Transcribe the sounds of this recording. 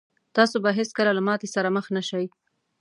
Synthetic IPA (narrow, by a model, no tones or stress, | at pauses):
t̪ɑsobaɦeskəlalamɑt̪esaɾaməxnaʃaj